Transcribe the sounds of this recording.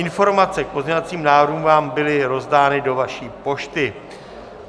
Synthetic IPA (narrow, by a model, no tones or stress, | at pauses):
ɪnfo̞ɾmat͡sɛk̚po̞zɲɛvat͡siːmnaːvɾɦuːmvaːmbɪlɪɾo̞zdaːnɪdo̞vaʃiːpo̞ʃt̪ɪ